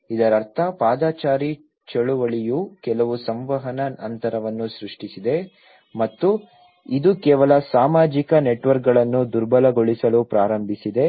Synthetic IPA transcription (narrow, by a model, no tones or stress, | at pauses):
id̪ɐɾɐɾt̪ʰɐpaːd̪aːt͡ʃaːɾi | t͡ʃɐɭuʋɐɭijukɛlɐʋusɐmʋɐɦɐnɐnɐnt̪ɐɾɐʋɐnːusɾuʂʈisid̪e̞ | mɐt̪ːu | id̪ukɛːʋɐlɐsaːmaːd͡ʒikɐneʈʋɐɾk̚ɡɐɭɐnːud̪uɾbɐlɐɡoɭisɐlupɾaːɾɐmbʱisid̪e̞